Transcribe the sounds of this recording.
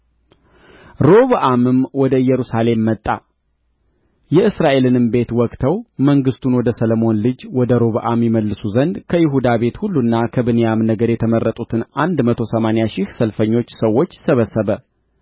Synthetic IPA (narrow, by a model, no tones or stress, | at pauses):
ɾo̞βʔamɨmwɔd̪əjɛɾusale̞mːət̪ʼːa̰ | jɛɨsɾaʔe̞lɨnɨmbe̞t̪wɔkʼt̪ʰəwməŋɡɨst̪ʰunwɔd̪əsələmo̞nlɨd͡ʒwɔd̪əɾo̞βʔamjɛməlːɨsuzənd̪kʰəjɪɦud̪aβe̞t̪hulːunːakʰəbɨnejamnəɡəɾjɛt̪ʰəmərːət̪ʼut̪ʰɨnand̪mət̪ʰosəmanejaʃɪhsəlfəɲːo̞t͡ʃːsəwːo̞t͡ʃːsəβəsːəβə